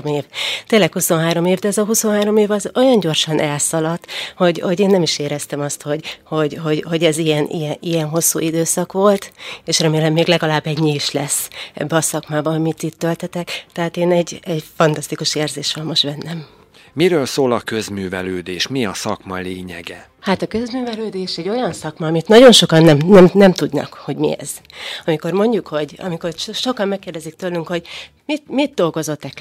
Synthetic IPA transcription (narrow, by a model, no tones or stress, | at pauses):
eːvt̪eːlːɛkhuso̞nɦaːɾo̞meːvd̪ɛɛzɒɦuso̞nɦaːɾo̞meːvɒzo̞jɒɲɟo̞rʃɒnʔɛlsɒlɒt̪ho̞ɟho̞ɟeːnːɛmiʃeːɾɛst̪ɛmɒst̪ho̞ɟho̞ɟho̞ɟho̞ɟɛzijɛnʔḭjɛnʔijɛnɦo̞sːṵːʔid̪øːsɒkʋo̞lt̪eːʃrɛmeːlɛmːeːɡlɛɡɒlaːbːɛɟɲiiʃlɛsːɛ̰bːɛɒsɒkmaːbɒɒmit̪it̪ːølt̪ɛt̪ɛkt̪ɛɦaːt̪eːnɛɟɛɟfɒnt̪ɒst̪ikuʃeːrzeːʃʋɒmmːo̞ʃt̪bɛnːɛm | miɾøːlsoːlɒkø̞zmyːvɛløːd̪eːʃmiɒsɒ̰kmɒleːɲɛ̰ɡɛ | hat̪ɒkø̞zmyːvɛløːd̪eːʃɛɟːo̞jɒnsɒkmɒɒmit̪nɒɟo̞nʃo̞kɒnːɛmnɛmnɛmt̪ud̪nɒ̰kho̞ɟmḭɛ̰z̥ | ɒmiko̞rmo̞ɲɟukho̞ɟɒ̰miko̞rʃo̞kɒmmɛkːeːrd̪ɛzik̚t̪øːlyŋkho̞ɟ | mit̪mit̪̚d̪o̞lɡo̞zo̞t̪ːɛk